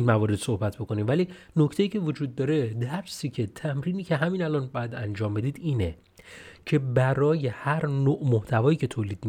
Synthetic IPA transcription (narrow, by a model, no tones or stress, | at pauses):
nmævɒːɾe̞d̪̥sohbæt̪̚ʰbo̞ko̞niːmvæliːno̞cʰt̪e̞jiːcʰe̞vod͡ʒuːd̪̚ːɒːɾe̞d̪æɾsiːcʰe̞t̪ʰæmɾiːniːcʰe̞ɦæmiːnælɒnbɒjæd̪ænd͡ʒɒːmbe̞d̪iːd̪iːne | cʰe̞bæɾɒːje̞hæɾnoːʔmoht̪ʰævɒːjiːcʰe̞t̪ʰoːliːd̪̥mi